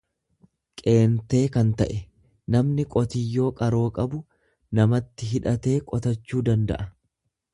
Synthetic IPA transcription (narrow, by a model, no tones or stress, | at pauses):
kʼe̞ːnt̪e̞ːkɐnt̪ɐʔɛ | nɐmnɪkʼɔt̪ɪjːo̞ːkʼɐɾo̞ːkʼɐbʊ | nɐmɐt̪ːɪɦɪᶑɐt̪e̞ːkʼɔt̪ɐt͡ʃːuːd̪ɐnd̪ɐ̰ʔɐ